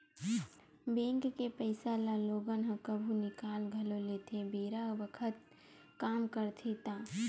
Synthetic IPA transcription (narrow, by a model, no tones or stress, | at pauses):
bẽːŋkkepəɪsalaloːɡənɦə̃kəbʱunɪkaːlɡʱɐloleːt̪ʰebʱeːɾabəkʰət̪̚ | kaːmkəɾt̪ʰet̪aː